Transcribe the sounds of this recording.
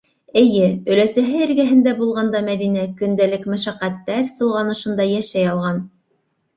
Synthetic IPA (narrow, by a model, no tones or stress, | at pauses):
ɘ̆jɘɵ̆læsæɦɘɘ̆ɾɡæɦɘ̆nd̪æbulˠʁɑnd̪ɑmæðinækɵ̆nd̪ælɘkmæ̆ʃæqæt̪ːæɾsɤ̆lˠʁɑnɤ̆ʃɤ̆nd̪ɑjæʃæjɑlˠʁɑn